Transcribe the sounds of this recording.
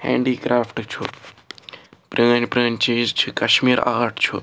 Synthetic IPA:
hɛ̰̃ːɳɖiːkɾaːpʰʈt͡ʃʰu | pɾinpɾəːnt͡ʃeːd͡ʒt͡ʃʰikɐʃmiːɾaːɾʈt͡ʃʰu

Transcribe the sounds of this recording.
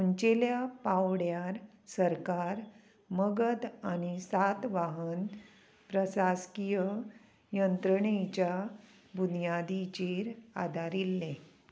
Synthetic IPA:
uɲt͡ɕeljapawɽjaɾ | səɾkaɾ | məɡəd̪añisat̪ʋaɦən | pɾəsaskijə | jənt̪ɾəɳet͡ɕja | bunijad̪it͡ɕeɾa̰d̪aɾilːẽ

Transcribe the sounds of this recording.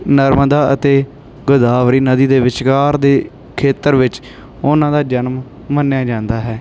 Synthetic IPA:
nəɾmd̪aːət̪eː | ɡʊd̪aːʋɾiːnəd̪iːd̪eːʋɪʃkaːɾd̪eː | kʰeːt̪əɾʋɪt͡ʃ | ʊnãːd̪aːd͡ʒənmː | ənjaːd͡ʒãːnd̪aːɦɛː

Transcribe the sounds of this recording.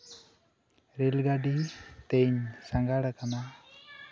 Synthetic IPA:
ɾelɡaɖit̪eɲsaŋɡaɽakana

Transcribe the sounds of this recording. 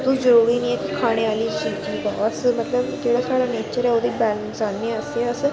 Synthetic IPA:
d̪ũzəɾuːɾiːnĩːɛːkɪkʰaːɽ̃eːʋaːliːd͡ʒiːd̪iːbaːəsmət̪ləbd͡ʒeːɽaːsaːɽaːneːt͡ʃəɾɛːoːd̪iːbɛːlənsaːniəseəs

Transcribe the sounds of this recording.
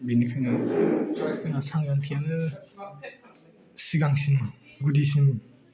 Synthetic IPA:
binikʰajnɯ | siŋasaŋɡantʰenɯ | siɡaŋsinɡudisin

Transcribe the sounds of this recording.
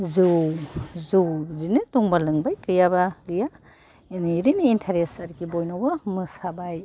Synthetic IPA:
zuwzuwzinɯtuŋbalɯŋbajkɯjabaɡɯja | eniɾiniːntʰaɾesaɾkʰibojnawbɐmɯsabaj

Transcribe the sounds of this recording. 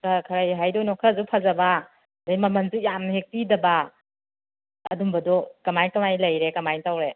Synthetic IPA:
kakʰɐɾajɦajdonɔkʰazupʰɐzɐba | dajmɐmɐnzujamhek̚pidɐba | ɐdumbɐdɔkɐmajkɐmajlɐjɾekɐmajtawɾe

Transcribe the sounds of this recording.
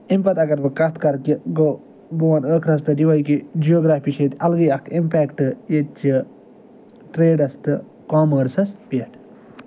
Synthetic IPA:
impɐt̪ɐɡɐɾbɨkɐt̪kɐɾkiɡo | buʋɐnəːkʰɾɐspʲɐʈiʋɐjkid͡ʒijoːɡɾaːfpiʃet̪ɐlɡijɐkʰimpɛːkʈɨjet͡ʃi | ʈɾeːɖɐst̪ɨ | kaːməːɾsɐspiʈ

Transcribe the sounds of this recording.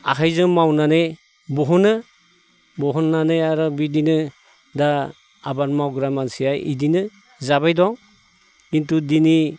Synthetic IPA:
a̰ɦʰajzɯŋmawnanej | bɔɦɔnɯ | bɔɦɔnːanejaɾɔbidinɯ | da | abaɾmawɡɾamansijajḭdinɯ | zabajdɔŋ | kintudini

